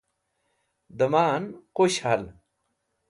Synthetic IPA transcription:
d̪ɐmaːnqoɕhal

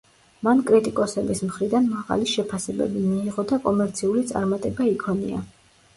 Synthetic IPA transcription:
mankʼɾit̪ʼikʼɔsɛbismχɾid̪anmaʁa̰liʃɛpʰasɛbɛ̰bimiːʁɔd̪akʼɔmɛɾt̪sʰiulit̪sʼa̰ɾmat̪ʼɛbaikʰɔnḭa̰

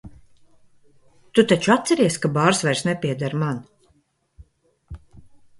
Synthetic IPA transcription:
t̪ut̪at͡ʃuat̪sɛɾiɛskabaːɾsvɛɾsnɛpʲiɛd̪aɾman

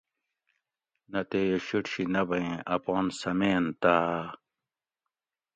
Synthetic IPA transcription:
nɐt̪ejeɕiʈɕinɐbɐẽʔɐpɑːnsɐmeːnt̪aː

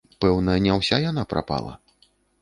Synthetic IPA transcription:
pɛwnɐjɐnʲɛwsʲajan̪apɾʔa̰pa̰lˠɐ̰

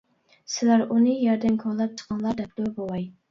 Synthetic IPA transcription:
sɪlæɾunɨjɛɾd̪ɪnkʰɑɾlˠɑp̚t͡ʃʰə̥qʰɑnlˠɑɾd̪ɛp̚d̪ʊbowɑj

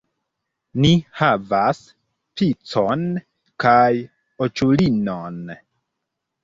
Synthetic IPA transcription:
nihavas | pit͡son | kaj | ot͡ʃulinon

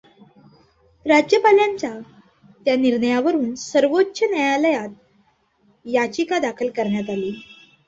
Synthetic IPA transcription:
ɾad͡ʑjəpaljaɲt͡ɕa | t̪janiɾɳəjaʋəɾuːnsəɾʋotːɕənjəjaləjat̪̚ | jat͡ɕikad̪akʰəlkəɾɳjat̪aliː

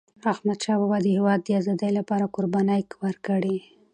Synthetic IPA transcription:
ahmad̪ʃɑbabad̪əhewɑd̪ːəazɑd̪əjlapɑɾakoɾbɑnajkwəɾkəɽi

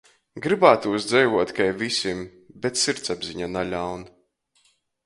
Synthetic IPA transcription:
ɡɾɨbaːt̪usd̪zɛjvuɔt̪kajvisʲim | bet̪siɾt̪sabziɲanalʲawn

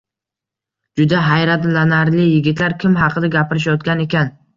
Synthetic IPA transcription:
d͡ʒʊd̪aɦajɾat̪lanaɾlɪjɪɡʲɪt̪laɾkʲʰɪmɦɑqʰɨd̪aɡʲapɪɾɪʃjɒt̪̚kʲane̞kʲan

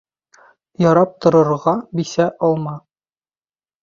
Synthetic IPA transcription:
jɒɾɑp̚t̪ŏɾɤ̆ɾʁɑbisæʔɒlˠmɑ

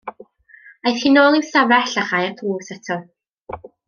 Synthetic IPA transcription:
ajθχiːnoːlˠiwsavɛɬaχajartʰluːsɛtʰɔ

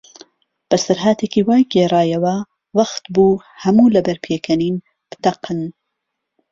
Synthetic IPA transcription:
b̥ɐsɐɾɦaːt̪ʰeːkiːwaːjɡeːraːjɐwɐ | wɐxt̪buː | hɐmuːlɐbɐɾpʰeːkʰɐniːn | b̥ɨ̥t̪ɐqɨn

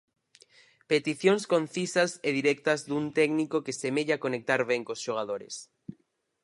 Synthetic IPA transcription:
pet̪iθjoŋskon̟θisɐseðiɾɛk̚t̪ɐzðunt̪ɛɡnikokesemeʎakonek̚t̪aɾβɛŋkosʃoɣ̞að̞oɾḛs

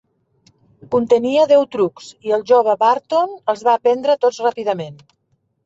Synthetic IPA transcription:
kunt̪əniəðɛwt̪ɾuksiəlˠʒoβəβaɾt̪onəlˠzβaːpɛnd̪ɾət̪ot͡ssrapiðəmen

